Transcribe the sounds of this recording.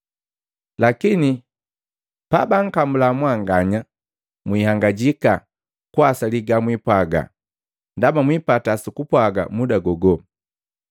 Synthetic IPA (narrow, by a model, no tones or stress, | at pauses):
lakini | pabaŋ̩kambulamwaŋɡaɲa | mwihaŋɡaɟika | kwasaliɡamwipwaɡa̰ | ndamamwipatasukupwaɡa̰mudaɡɔɡɔ